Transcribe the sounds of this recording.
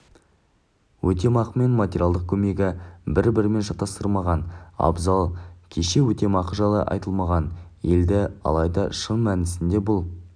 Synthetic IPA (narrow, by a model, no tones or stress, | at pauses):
wʔɵt̪̬e̞mɑqəme̞nmat̪ʲeɾʲijalˠd̪əq̚kʲʰɵme̞ɡʲɪbɪɾbɪɾɪme̞nʃɑt̪ːɑst̪əɾˠmɑʁɑnɑ̰bzɑlˠkʲʰe̞ʃe̞wɵt̪e̞mɑqəʒɑlˠə̰ʔɑ̰jt̪əlˠmɑʁɑnje̞ld̪ɪɑ̰lˠɑjd̪ɑʃənmænɪsɪnd̪e̞bʊlˠ